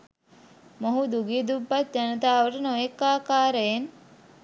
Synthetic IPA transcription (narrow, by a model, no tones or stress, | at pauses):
moɦud̪uɡid̪ubːat̪̚d͡ʒanət̪aːʋəʈənojekːaːkaːɾəjen